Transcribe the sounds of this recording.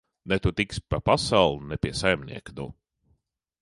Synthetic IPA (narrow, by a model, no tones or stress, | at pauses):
nɛt̪ut̪ikspapasawlˠunɛpʲiɛsajmnḭɛknu